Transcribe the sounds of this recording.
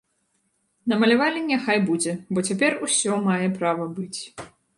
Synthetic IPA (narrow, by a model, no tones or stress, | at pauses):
nɐmɐlʲavalʲinʲaxajbud͡zʲɛbɔt͡sʲapʲɛrusʲɔmajɛpɾavɐbɨt͡sʲ